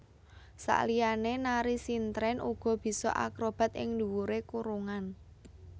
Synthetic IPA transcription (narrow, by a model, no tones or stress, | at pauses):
sa̰ʔlianenaɾisint̪ɾɛnʔuɡ̥ɔ̤b̥i̤sɔ̰ʔa̰kɾob̥a̤t̪ɪ̰ŋnd̪uwuɾekuɾuŋan